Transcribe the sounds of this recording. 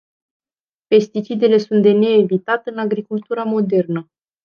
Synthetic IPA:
pe̞st̪it͡ʃid̪e̞le̞sunt̪̚d̪e̞ne̞ːvit̪at̪ɨnaɡɾikult̪uɾamo̞d̪e̞rnə

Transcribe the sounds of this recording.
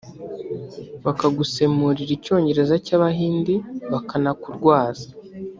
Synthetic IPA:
βakaɡuse̞muɾiɾico̞ːɲɟe̞ɾe̞zacaβaɦiːndiβakanakuɾɡwaːzḁ

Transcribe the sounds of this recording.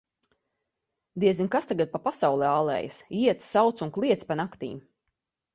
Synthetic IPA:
d̪iɛzɡʲinkast̪aɡat̪̚papasawlˠɛaːlˠɛ̰ːjasiɛt̪ssawt̪sunklˠiɛt̪spanakt̪ḭːm

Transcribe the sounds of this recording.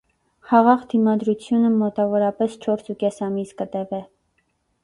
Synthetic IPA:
χɑʁɑʁd̪imɑd̪ɾut͡sʰjunəmɔt̪ɑvɔɾɑpɛst͡ʃʰɔɾsukɛsɑmiskət̪ɛvɛ

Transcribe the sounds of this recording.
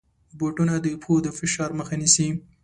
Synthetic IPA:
boʈunad̪əpʰod̪əfɪʃɑɾməxanisi

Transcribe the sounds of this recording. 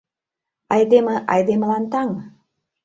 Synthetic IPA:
ɑjd̪eməʔɑjd̪eməlɑnt̪ɑŋ

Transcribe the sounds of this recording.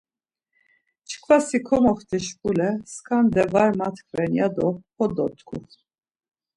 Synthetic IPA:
t͡ʃʰkʰvasikʰɔmɔχt̪ʰɛʃpʼulɛskʰʼand̪ɛvaɾmat̪ʰkʰvɛnjad̪ɔpɔd̪ɔt̪kʰʼṵ

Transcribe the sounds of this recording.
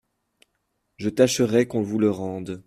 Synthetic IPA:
ʒət̪aʃəʁɛkɔ̃vuləʁɑ̃d̪

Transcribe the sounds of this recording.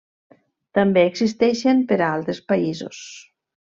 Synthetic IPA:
t̪ambeːɡzist̪ɛʃempəɾaalˠt̪ɾespaizo̰s

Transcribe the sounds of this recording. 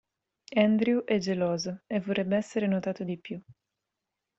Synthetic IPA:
ɛnd̪ɾiuʔɛd͡ʒːelɔːzevoɛbːeɛsːeɾenot̪aːt̪od̪ipju

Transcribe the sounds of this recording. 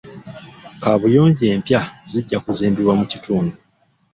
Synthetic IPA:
kaβujo̞ːɲɟe̞ːmpjaziɟːakuziːmbiɾwamucituːndu

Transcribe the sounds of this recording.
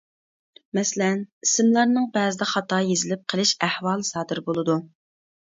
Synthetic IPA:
mɛslɛnisɪmlˠɑɾnɨŋbɛːzɪd̪ɛχɑt̪ɑːjezɪlɪp̚qʰəlˠɨʃæhwɑːlˠɨsɑːd̪ɨɾbolˠɨd̪u

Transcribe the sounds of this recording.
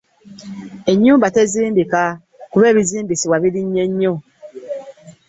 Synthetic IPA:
eɲũmbatɛzimbika | kubɛbizimbisiwabidiɲɛɲo

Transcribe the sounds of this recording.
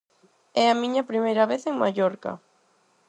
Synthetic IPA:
ɛɐmiɲɐpɾimejɾɐβeθeŋmaʎɔɾkɐ̰

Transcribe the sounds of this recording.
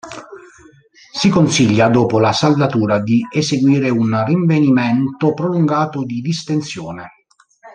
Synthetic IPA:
sikonsiʎːad̪ɔːpolasald̪at̪uːɾad̪ieseɡwiːɾeunriɱvenimɛnt̪opɾoluŋɡaːt̪ʊd̪id̪ist̪ensjɔːne

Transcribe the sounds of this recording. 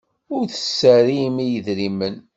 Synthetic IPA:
ʊɾθə̥sːəɾimijəðɾimən

